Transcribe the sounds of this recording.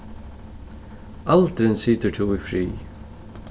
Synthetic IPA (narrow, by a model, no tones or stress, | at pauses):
alt̪ɾɪnsiːt̪ət̪ʰuːɪfɾḭː